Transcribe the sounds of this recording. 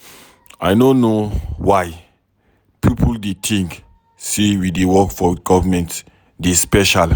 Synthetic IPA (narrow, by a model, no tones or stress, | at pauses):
ajnõnowaj | pipʰəldetʰĩŋk | sewidewɔkfɔɡɔvəmɛ̃nt | despɛʃal